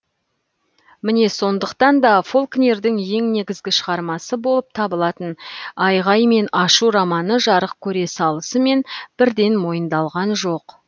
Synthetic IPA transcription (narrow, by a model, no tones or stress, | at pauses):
mɪne̞so̞nd̪əqt̪ɑnd̪ɑfo̞lˠknʲe̞ɾd̪ɪŋje̞ŋne̞ɡʲɪzɡʲɪʃəʁɑɾmɑsəbo̞lˠəp̚t̪ʰɑbəlˠɑt̪ənɑjʁɑjme̞nɑʃuɾɑmɑnəʒɑɾəq̚kʲʰɵɾe̞sɑlˠəsəme̞nb̥ɪɾd̪e̞nmo̞jənd̪ɑlˠʁɑnʒo̞q